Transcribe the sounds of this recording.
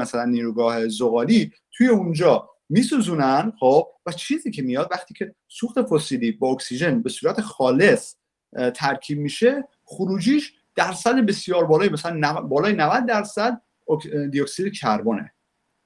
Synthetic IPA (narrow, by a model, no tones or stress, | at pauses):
æsælænːiːɾuːɡɒːhe̞zoɣɒːli | t̪ʰuje̞und͡ʒɒː | miːsuːzuːnænd̪χo̞b̥̚væt͡ʃʰiːziːcʰe̞mijɒd̪væχt̪ʰiːcʰe̞ | suːxt̪ʰe̞fosiːliːbɒoksiʒe̞nbe̞suːɾæt̪ʰe̞xɒːle̞s | t̪ʰæɾcʰiːbmiːʃe̞ | χuɾuːd͡ʒiːʃ | d̪̥æɾsæd̪ebe̞sijɒːɾbɒːlɒːjmæsælænːbɒːlɒːjenævæd̪ːæɾsæd̪̚ | od̪ijoksiːd̪ecʰæɾbo̞ne̞̰